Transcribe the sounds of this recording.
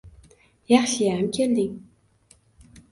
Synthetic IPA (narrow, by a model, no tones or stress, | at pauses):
jaχɕiæmkʲʰeld̪ɪŋ